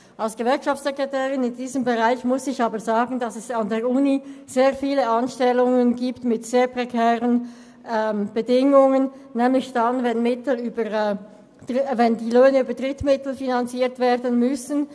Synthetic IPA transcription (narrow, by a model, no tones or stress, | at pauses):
ʔɑlsɡ̥əvɛɐkʃaftsɛkʁɛtʰɛːʁɪnɪndiːzəmbəʁaɪçmʊsɪçɑːbəzaːɡn̩d̥ɑsɛsɑndeːɐʔuniz̥eːɐfiːləɑnʃtɛlʊŋənɡiːptmɪtz̥eːɐpʁ̥ɛkʰɛːʁən | ɛːmb̥ədɪŋʊŋənː | ɛːmlɪçd̥anvɛnmɪtl̩yːbə | d̥vɛndiːløːnəyːbəd̥ʁɪtmɪtl̩finɑnt͡siːɐtv̥eːɐdənmʏsn̩